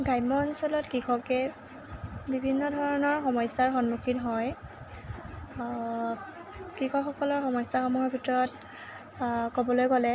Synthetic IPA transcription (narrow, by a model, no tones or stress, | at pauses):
ɡʱajmɔnsɔlɔtkixɔkɛ | bibʱinːɔdʱɔɹɔnɔɹxɔmɔjsaɹxɔnmukʰinɦɔj | kixɔkxɔkɔlɔɹxɔmɔjsaxɔmɔɦɔɹbʱitɔɹɔt | kobɔlojkɔlɛ